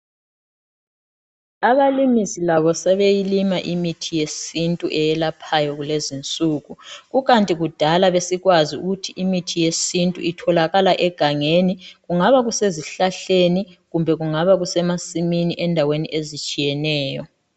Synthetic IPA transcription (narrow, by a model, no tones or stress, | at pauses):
aβalimisilaβɔsɛβejilimaʔimitʰijesintʼuʔɛjɛlapʰajɔɣulezint͡sʼuɣuɣuɣantʼiɣud̥ʱalaβesiɣwaziṵɣutʰiʔimitʰijesintʼṵitʰɔlaɣalaʔɛɡ̥ʱaŋeniɣuŋaβaɣuseziɬaɬeniɣumbʱɛɣuŋaβaɣusɛmasiminiʔɛndʱaweniʔezit͡ʃʼijɛnɛːjɔ